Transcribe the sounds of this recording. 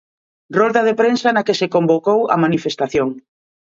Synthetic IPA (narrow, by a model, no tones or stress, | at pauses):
rɔld̪að̞epɾensɐnakesekombokowɐ̰manifest̪aθjoŋ